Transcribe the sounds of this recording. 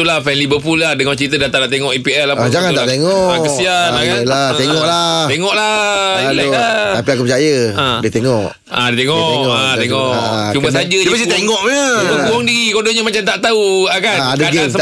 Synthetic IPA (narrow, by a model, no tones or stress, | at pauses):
ulahfɛnlibəpullahdəŋɔt͡ʃəɾit̪ədat̪anaʔt̪eŋɔʔipiɛslad͡ʒaŋanat̪eŋɔaŋkəsianakalat̪eŋɔʔlat̪eŋɔʔlailajlat̪apiakupət͡ʃajəadiət̪eŋɔʔ | adiet̪eŋɔŋat̪eŋɔʔt͡ʃumbəs̬ad͡ʒaəsit̪eŋɔʔmubəkuɔŋdiɾikodoɲəmat͡ʃamt̪aʔt̪auakandaɡsə